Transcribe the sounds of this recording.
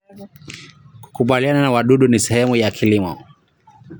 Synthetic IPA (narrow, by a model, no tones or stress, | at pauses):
ku̥kuɓaliananawaɗuɗunisɛhɛmujakʰilimɔ̰